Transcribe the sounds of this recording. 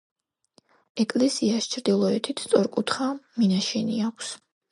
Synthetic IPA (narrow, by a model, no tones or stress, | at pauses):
ɛkʼlɛsiaʃt͡ʃʰɾd̪ilˠɔɛt̪ʰit̪ʰst̪sʼɔɾkʼut̪ʰχaminaʃɛniakʰs